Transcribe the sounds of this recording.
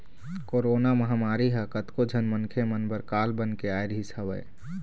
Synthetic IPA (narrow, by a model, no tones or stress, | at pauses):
koɾoːnaməɦamaːɾiɦəkət̪kod͡ʒʱənmənkʰemənbəɾkaːlbənkeaːjɾɦisəʋə̰j